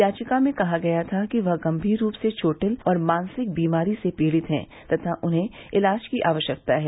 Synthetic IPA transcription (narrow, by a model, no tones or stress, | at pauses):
jaːt͡ʃɪkamẽkɐɦaɡɐjat̪ʰakiʋɐɦɡɐ̃mbʱiːɾːuːpset͡ʃʰoːʈəlɔːɾmãːnsɪk̚biːmaːɾisepiːɽɪt̪ɦɛ̰̃ː | t̪ɐt̪ʰaʔʊnɦẽɪlaːd͡ʒkiʔaːʋəʃjək̚t̪aɦɛː